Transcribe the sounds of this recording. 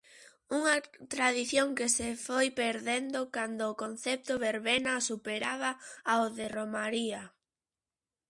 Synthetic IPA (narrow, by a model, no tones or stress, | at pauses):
uŋɐt̪ɾaðiθjoŋkɪsefojpeɾðend̪okand̪ʊːkon̟θɛp̚t̪ʊβeɾβenasupeɾaβaaoðɪromaɾia